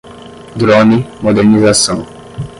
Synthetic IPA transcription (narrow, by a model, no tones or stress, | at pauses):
d̪ɾɔnimod̪ɛɾnizasɐ̃w̃